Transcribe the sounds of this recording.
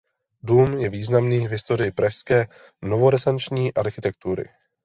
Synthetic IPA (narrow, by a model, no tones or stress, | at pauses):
duːmjɛviːznamniːvɦɪst̪o̞ɾɪjɪpɾaʃskɛː | novo̞ɾɛsant͡ʃɲiːʔaɾxɪt̪ɛk̚t̪uɾɪ̰